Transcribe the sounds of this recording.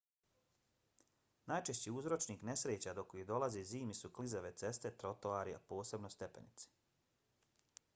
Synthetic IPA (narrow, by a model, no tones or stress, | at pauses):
najt͡ʃeʃt͡ɕiuzɾo̞t͡ʃniːkne̞sɾeːt͡ɕad̪okojid̪o̞laziziːmisuklizaʋe̞t̪se̞st̪e̞t̪ɾo̞t̪oaːɾia̰po̞ːse̞bno̞st̪e̞pe̞̰nit̪si̥